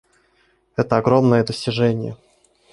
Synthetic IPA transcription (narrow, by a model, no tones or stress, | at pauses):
ɛt̪əɐɡɾo̞mnəjəd̪əsʲtʲɪʐɛnʲɪjə̰